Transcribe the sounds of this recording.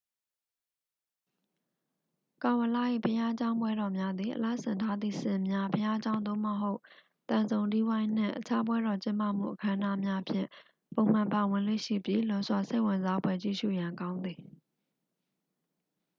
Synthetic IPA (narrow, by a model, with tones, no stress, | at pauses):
kã˨ʊwə˨la̰˦˨ʔḭ˦˨pʰəja˦t͡ɕã˦ʊ̃mbwɛ˦ɾɔ˨mja˦d̪ði˨ʔəla̰˦˨sɪ̰̃˨ntʰa˦d̪ðḭ˦˨sɪ̰̃˨mja˦pʰəja˦ʔət͡ɕã˦ʊ̃nd̪o̰˦˨mə˨ɦo˦ʊʔ | t̪ã˨nzõ˨ʊ̃ndi˦wã˦ɪ̃n̥ɪ̰̃˦˨ʔət͡ɕʰa˦bwɛ˦ɾɔ˨t͡ɕɪ̃˦mpa̰˦˨m̥ṵ˦˨ʔəkʰã˦ʔə˦na˦mja˦pʰjɪ̰̃˦˨ | põ˨ʊ̃m̥ã˨mpa˨wɪ̃˨lwḛ˦˨ʃḭ˦˨bji˦lʊ̃˦zwa˨se˦ɪʔwɪ̃˨nza˦bwɛ˦˨t͡ɕḭ˦˨ʃṵ˦˨jã˨ŋkã˦ʊ̃nd̪ði˨